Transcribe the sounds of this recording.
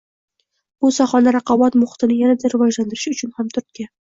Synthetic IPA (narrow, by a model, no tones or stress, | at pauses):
bʊsaχɒnaɾɑqʰɑbɒt̪mʊχɪ̥t̪ʰɪnɪjanad̪aɾɪvɒd͡ʒland̪ɪɾɪʃʊt͡ʃʰʊnhamt̪ʰʊɾt̪̚kʲa